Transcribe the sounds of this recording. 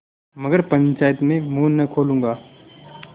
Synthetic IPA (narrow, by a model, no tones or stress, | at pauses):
mɐɡəɾpɐɲt͡ʃaːjət̪mẽmuːnːɐkʰoːlũːŋɡaː